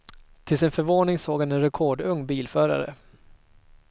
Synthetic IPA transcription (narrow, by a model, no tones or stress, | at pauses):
t̪ʰɪlsɪnfœɾvoːnɪŋsoːɡhanɛnɾɛkʰoːɖɵŋːbiːlfœːɾa̰ɾə̰